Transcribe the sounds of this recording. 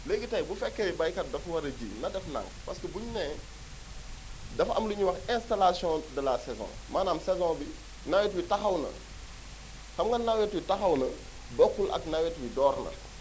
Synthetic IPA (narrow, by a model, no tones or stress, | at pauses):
leɡitɐjbufɛkːɛjbɐjkɐt̚dɐfwɐɾɐɟḭnɐdɛfna̰ŋpɐ̰skəbuɲnɛ | dɐfɐ̰mluɲuwɐxɛ̃nstalasjɔ̃dɐlasɛzɔ̰̃maːnaːmsɛzɔ̃ːbi | nawɛtwitɐxɐwnɐ̰ | xɐmŋɡɐnawjɛtwitɐxɐwnɐ | bɔkːulʔɐ̰knawɛtwidɔːɾnɐ̰